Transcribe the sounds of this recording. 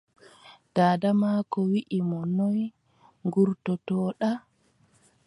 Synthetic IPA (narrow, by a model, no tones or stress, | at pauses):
d̥aːdamakɔwiʔimɔnɔj | ŋɡuɾtɔtɔːɗa